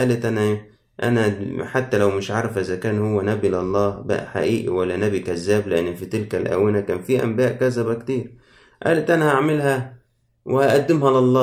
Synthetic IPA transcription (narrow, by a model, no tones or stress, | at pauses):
ʔæːlæt̪ʔænæ | ʔæ̰næħat̪ːælæwmɪʃʕɑɾˤɑfʔezækæːnhowːænæbileʔɑlˤːɑːbæ̰ʔħa̰ʔiːʔḭwælːænæbikæzːæːblɪʔenːfit̪ɪlkælʔæ̰wɪnækæːnfiːʔæ̰mbæːʔkæzæbækt̪iːɾ | ʔæ̰ːlæt̪ʔænæhaʕmɪlhæ | wehæʔæd̪ːɪmhælɑlˤːɑː